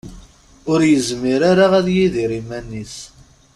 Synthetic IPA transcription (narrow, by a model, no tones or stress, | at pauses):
ʊɾjəzmiɾaɾaʁæðjiðiɾimænːis